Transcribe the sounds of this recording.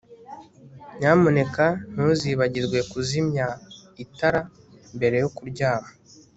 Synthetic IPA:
ɲaːmune̞kan̥uziβaɟiɾɡwe̞kuzimɲaitaɾa | mbe̞ɾe̞jokuɾɟaːha

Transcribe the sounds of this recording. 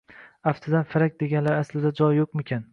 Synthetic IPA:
aft̪ʰɪd̪anfɪɾak̚ʲd̪e̞ɡʲanlaɾaslɪd̪ad͡ʒɒjːoqmekʲʰan

